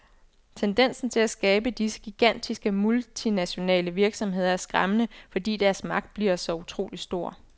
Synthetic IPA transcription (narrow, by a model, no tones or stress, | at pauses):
t͡sʰend̥en̰sn̩t͡sʰe̝læsɡ̥ɛːb̥əd̥isə̥ɡ̥iɡ̥æn̰d̥isɡ̥əmult͡sʰinæɕo̝nɛ̰ːləʋiɐɡ̥sɒ̽mɦe̝ð̞ˠɐæɐsɡ̥ʁamənəfɒ̽d̥ḭːd̥æɐsmɑ̈ɡ̥d̥̚b̥liɐsɒ̽ut͡sʰʁo̝̰ːlisd̥o̝ɐ̰